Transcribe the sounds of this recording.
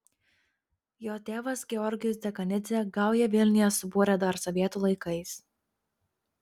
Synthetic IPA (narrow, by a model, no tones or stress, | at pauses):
joːt̪ʲeːʋɐsɡʲɛɔɾʲɡʲɪjʊsd̪ʲɛkɐnʲɪzʲɛɡɑˑʊjɛʋʲɪlʲnʲɪjɛsʊbuːɾʲɛd̪oɐɾsoːʋʲiɛt̪uːlˠɐɪkɐɪs